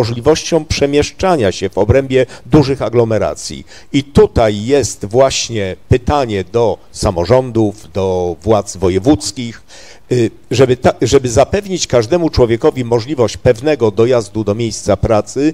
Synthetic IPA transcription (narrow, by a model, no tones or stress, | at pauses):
ɔʐlʲivɔɕt͡ɕɔ̃w̃pʂɛmʲjɛʂt͡ʂaɲaɕɛvɔbɾɛmbʲjɛd̪uʐɘxaɡlɔmɛɾa̰t̪sʲjḭ | it̪ut̪ajːɛst̪vwaɕɲɛpɘt̪aɲɛd̪ɔ | samɔʐɔnd̪uvd̪ɔvwat̪zvɔjɛvut̪skʲix | ʐɛbɘt̪aʐɛbɘzapɛvɲit͡ɕkaʐd̪ɛmut͡ʂwɔvʲjɛkɔvʲimɔʐlʲivɔɕt͡ɕpɛvnɛɡɔd̪ɔjazd̪ud̪ɔmʲjejst̪sapɾat̪sɘ